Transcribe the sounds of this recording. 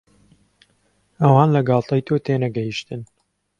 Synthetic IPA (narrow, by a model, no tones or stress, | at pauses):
ʔɐwɑːnlɐɡɑːlˠt̪ɐjt̪ʰoːt̪eːnɐɡɐjiʃt̪ɨn